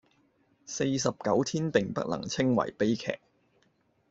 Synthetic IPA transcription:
se˧jsɐ˨p̚kɐ˨˥wt̪ʰiː˥npɪ˨˩ŋpɐ̰˥k̚lɐ̰˨˩ŋt͡sʰɪ˥ŋwɐ̰˨˩jpe˥jkʰɛ̰ː˨k̚

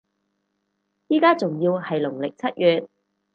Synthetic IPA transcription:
jiː˥kaː˥t͡sʊ˨ŋjiː˧whɐ˨jlʊ˨˩ŋlɪ˨k̚t͡sʰɐ˥t̚jyː˨t̚

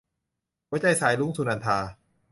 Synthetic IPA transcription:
waː˦˥t͡ɕa˧jsaː˩˦jlu˥˩ŋsuː˧na˧nt̪ʰaː˧

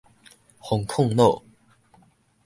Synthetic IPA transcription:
hɔ˨˦ŋkʰʊ˥˨ŋno˥˨

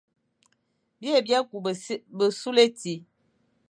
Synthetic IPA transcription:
bje˦˨bja˦ku˨˦bə˨su˦le˦ti˨

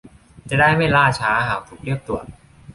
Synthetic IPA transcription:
t͡ɕa˨˩daː˥˩jma˥˩jlaː˥˩t͡ɕʰaː˦˥˧ɦaː˨˩˦w̚t̪ʰuː˨˩k̚ɾi˥˩p̚t̪u˨˩ət̪̚

